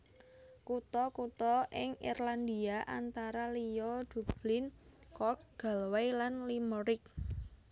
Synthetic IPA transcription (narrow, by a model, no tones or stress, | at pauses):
kut̪ɔkut̪ɔʔɪŋḭrland̪iaʔa̰nt̪aɾalijɔd̪̥ṳb̥lɪnkɔk̚ɡ̥a̤lwajlanlimɔɾɪk̚